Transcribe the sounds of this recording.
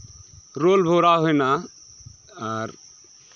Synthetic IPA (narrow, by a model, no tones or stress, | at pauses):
ɾolbʱoɾaɦojna | aɾ